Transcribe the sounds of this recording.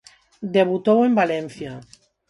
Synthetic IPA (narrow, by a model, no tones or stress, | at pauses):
d̪eβut̪owembalen̟θja